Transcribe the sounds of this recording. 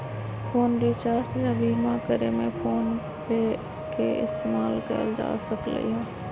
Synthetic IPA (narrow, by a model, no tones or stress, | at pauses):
fʰoːnɾeːt͡ʃaːɾt̪jabiːmãːkəɾemẽfʰoːn | e | keʔɪ̰st̪eːmaːlkə̰ɾd͡ʒa̰ːsəklə̰iɦõː